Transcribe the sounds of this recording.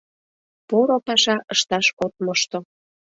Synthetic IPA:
poɾopɑʃɑəʃt̪ɑʃot̪̚məʃt̪o

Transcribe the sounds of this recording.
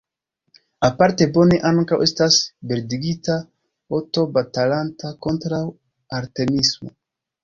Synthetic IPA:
apaɾte̞bo̞ne̞ʔaŋkawe̞stasbeɾdiɡita | oto̞batalantakontɾaw | aɾtenismo̰

